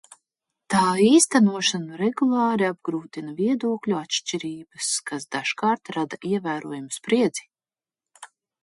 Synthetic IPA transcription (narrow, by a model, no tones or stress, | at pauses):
t̪aːiːst̪anuɔʃanuɾɛɡulˠɑːɾiab̚ɡɾuːt̪inaviɛd̪uɔkʎʲuat̪ʃt͡ʃiɾiːbɨskasd̪aʃkaːɾt̪ɾad̪aʔiɛvæːɾuɔjumspɾiɛd̪zi̥